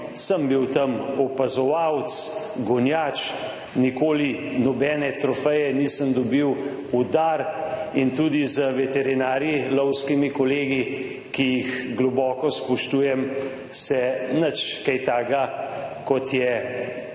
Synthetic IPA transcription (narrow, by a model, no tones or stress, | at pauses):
səmbiwt̪ɐmɔpazɔʋawt̪s | ɡɔnjaːt͡ʃ | nikoːlinɔbɛːnɛt̪ɾɔfɛjɛniːsəmd̪ɔbiw | ud̪aɾint̪uːd̪izəʋɛt̪ɛɾinaːɾjilɔwskimikɔleːɡi | kijixɡlɔbɔːkɔspuʃt̪uːjɛm | sɛnət͡ʃkajt̪aːɡakɔt̪jɛ